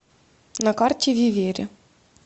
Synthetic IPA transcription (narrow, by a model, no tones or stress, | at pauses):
nɐkɑrtʲiʋʲiʋʲeɾʲɪ